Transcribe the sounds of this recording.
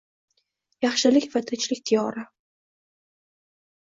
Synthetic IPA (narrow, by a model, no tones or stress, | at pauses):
jɑχʃɪlɪkʲfat̪ʰat͡ʃʰlɪkʲt̪ʰijɒɾa